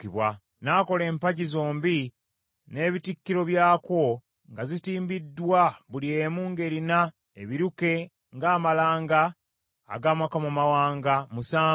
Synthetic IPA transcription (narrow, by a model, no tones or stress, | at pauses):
iβwa | naːko̞le̞ːmpaɟizoːmbi | ne̞ːβitikːiɾo̞βjaːkwo̞ | ŋɡazitiːmbidːwaβuliemuːŋɡe̞ɾina | eβiɾuke̞ | ŋɡaːmalaːŋɡa̰ː | ɡamakamumawaːŋɡamusaː